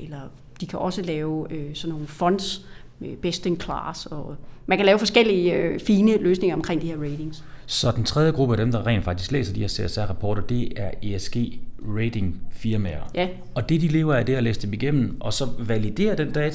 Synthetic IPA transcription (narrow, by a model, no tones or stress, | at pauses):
elɐ | d̥ikʰæʔɒ̽səlɛːʊøsɒ̽nːo̝ːn̩fɒ̽n̰d̥s | meb̥esd̥eŋkʰlɑ̰ːsɒ̽mænkʰælɛːʊfɒ̽sɡ̥el̰iəfiːnəløːsne̝ŋɐɒ̽mkʰʁeŋ̰d̥iheɐʁeɪde̝ŋssɒ̽d̥ent͡sʰʁɛð̞ˠjəɡ̥ʁub̥əæd̥emd̥ɑ̈ʁɛ̰ɪːn̥fɑ̈ɡ̥d̥ʰi̥sɡ̥lḛːsɐd̥iheɐ̰seæsæɐ̰ʁɑpʰɒ̰ːɾɐd̥e̝æɐeesɡ̥e̝̰ːʁeɪdʰe̝ŋfiɐmeɐjæ | ɒ̽d̥e̝d̥ile̝ːʊɐæɐd̥eælḛːsd̥emiɡ̥em̰n̩ʔɒ̽sɒ̽ʋælid̥e̝̰ːɐd̥end̥ɛːt͡sʰ